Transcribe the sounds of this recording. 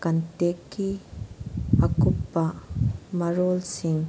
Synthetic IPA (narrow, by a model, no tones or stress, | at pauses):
kɐntekːi | ʔɐkʊpːamɐɾolsɪŋ